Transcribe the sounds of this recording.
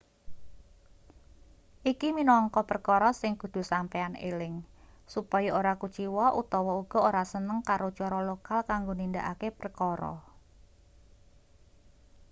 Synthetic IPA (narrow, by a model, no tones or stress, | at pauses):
ʔikiminɔŋkɔpərkɔɾɔsɪŋkud̪̥ṳsampeanḛlɪŋsupɔjɔoɾakut͡ʃiwɔʔut̪ɔwɔuɡ̥ɔ̤oɾasənəŋkaɾot͡ʃɔɾɔlokalkaŋɡonind̪aʔakepərkɔɾɔ̰